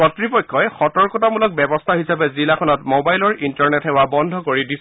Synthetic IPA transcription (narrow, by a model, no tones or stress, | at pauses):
ɔtɹipɔjkʰːɔɛxɔtɔɹkɔtamulɔk̚bɛbɔst̪ʰaɦisapɛzilakʰɔnɔtmobajlɔɹintɔɹnɛtɦɛwabɔndʱɔkoɹidis